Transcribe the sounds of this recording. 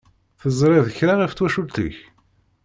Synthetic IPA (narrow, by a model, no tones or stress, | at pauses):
θəzˤɾˤɪðəçɾaʁift̪ːwæʃult̪ə̰ç